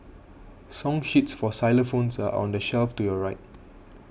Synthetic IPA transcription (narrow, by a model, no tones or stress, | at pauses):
sɔ̃ŋʃitsfɔsaɪləfõnsaʔɔ̰̃ndəʃɛlftujɔɹaɪt̚